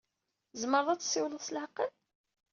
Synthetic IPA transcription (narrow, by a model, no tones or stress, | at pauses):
zməɾˤðˤɑt͡sːsːɪwlslħqən